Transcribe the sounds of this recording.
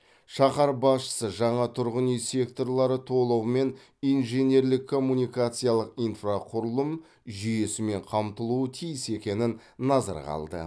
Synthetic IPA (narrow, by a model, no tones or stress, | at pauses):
ʃɑqɑɾbɑsʃə̥səʒɑɴɑt̪ʰʊɾʁənijse̞kt̪o̞rlˠɑɾət̪ʰo̞lˠɑwəme̞n | ijnʒenʲe̞ɾlɪkʰːo̞mːunʲijkat̪sɨjalˠəqijnfraqʰʊɾəlˠəm | ʒʏje̞sɪme̞ɴqʰɑmt̪əlˠuət̪ʰijɪse̞kʲe̞nɪnː | ɑzɑ̰ɾʁɑ̰lˠd̪ə̰